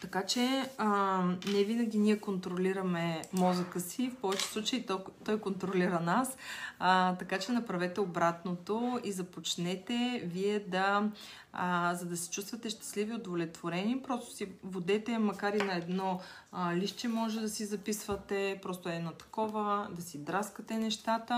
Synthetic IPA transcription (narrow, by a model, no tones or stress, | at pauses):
t̪ɐkat͡ʃɛənɛvinɐɡʲiniɛkont̪ɾoliɾɐmɛmɔzəkəsifpɔvɛt͡ʃɛ̥slˠut͡ʃəit̪t̪ɔjkont̪ɾoliɾənas | t̪ɐkat͡ʃɛnɐpɾɐvɛt̪ɛobɾat̪not̪oizɐpot͡ʃnɛt̪ɛviɛd̪ɐ | zɐd̪ɐsɛ̥t͡ʃust̪vət̪ɛʃt̪ɐ̥sliviod̪volɛt̪voɾɛnipɾɔst̪ʊ̥sivod̪ɛt̪ɛmɐkaɾinɐɛd̪nɔliʃt͡ʃɛmɔʒɛd̪ɐsizɐpisvət̪ɛpɾɔst̪ʊɛnɔt̪ɐ̥kɔvəd̪ɐsid̪ɾaskət̪ɛnɛʃt̪at̪ə